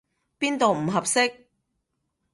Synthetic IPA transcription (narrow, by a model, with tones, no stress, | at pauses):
piː˥nt̪o˨wm̩˨˩ɦɐ˨p̚sɪ˥k̚